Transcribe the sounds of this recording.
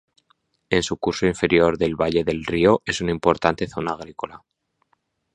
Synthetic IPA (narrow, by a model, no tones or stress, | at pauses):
e̞nsukuɾso̞iɱfe̞ɾjo̞ɾðe̞lβaʎe̞ðe̞lrio̞ʔe̞sunaimpo̞ɾt̪ant̪e̞θo̞naːɣ̞ɾiko̞la